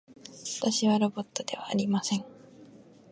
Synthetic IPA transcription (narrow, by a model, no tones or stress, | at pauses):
βḁt̪aɕiβaɾo̞bo̞t̪ːo̞d̪e̞β̞aːɾʲimasẽ̞ŋ